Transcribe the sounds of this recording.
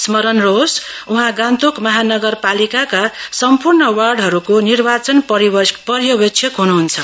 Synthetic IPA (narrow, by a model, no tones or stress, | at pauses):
smʌɾʌnros | uɦãɡãnt̪okmʌɦanʌɡʌrpalikakasʌmpurɳʌwarɖɦʌɾukonirbat͡sʌnpʌɾipʌrjʌbʌkt͡sʰjʌkɦunuɦunt͡sʰʌ